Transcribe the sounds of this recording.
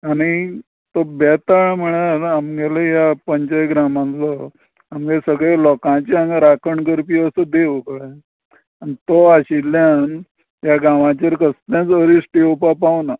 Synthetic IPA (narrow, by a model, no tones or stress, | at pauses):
aɽ̃i | t̪obɛt̪aɳm̤əɽ̃aɾamɡelejapəɲt͡ɕajɡɾamãnlɔ | amɡesəɡɭelɔkãt͡ɕanɾakʰəɳɡəɾpiəsəd̪eʋokəɽa | anit̪ɔaɕilːjan | jaɡãʋãt͡ɕaɾkəst̪ãt͡səɾisʈiopapaʋna